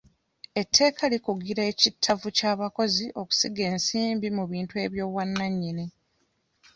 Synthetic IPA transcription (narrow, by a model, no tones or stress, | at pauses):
e̞tʰːe̞ːkʰalikuɡiɾaecitʰːavucaːβako̞ziʔo̞ku̥siɡe̞ːnsiːmbimuβiːntue̞ːβjo̞ːβwanːaɲːini